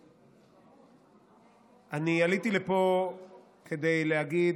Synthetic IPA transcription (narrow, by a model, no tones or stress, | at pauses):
ʔanialit̪ilepo̞ | kʰe̞d̪e̞jleɦaɡid